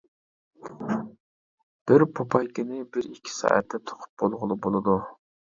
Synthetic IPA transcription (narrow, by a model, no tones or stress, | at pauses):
b̥ɪɾpʰopʰɑjkʲɪnɪbɪɾikʲʰːi̥sɑ̰ːʔɛ̰t̪ʰːɛt̪ʰo̥qʰʊ̥p̚b̥olˠʁʊlˠɨbolˠɨd̪u